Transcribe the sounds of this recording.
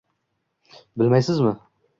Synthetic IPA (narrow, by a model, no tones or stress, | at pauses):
bɪlmajsɪzmɪ